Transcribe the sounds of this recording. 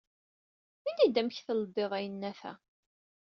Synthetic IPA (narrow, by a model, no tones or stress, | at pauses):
inid̪æmçθəlˤbːeðˤæjənːæθæ̰